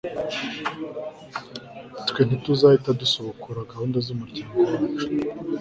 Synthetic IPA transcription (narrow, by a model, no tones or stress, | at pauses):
twen̥ituzahitadusoβokuɾaɡahuːndazumuɾɟaːŋɡoɾ